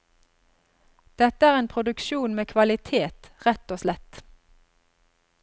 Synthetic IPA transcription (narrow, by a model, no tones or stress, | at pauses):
d̪̥ɛt̪əæːʁeːnpʰʁʊd̪ʉkʃuːnmeːkʰʋɑlɪt̪ʰeːt̪ʁɛt̪oːslɛt̪